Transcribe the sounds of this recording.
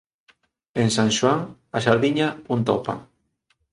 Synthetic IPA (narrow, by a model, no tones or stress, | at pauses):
ensaŋʃwaŋ | aʃaɾðiɲaunt̪ɔpa̰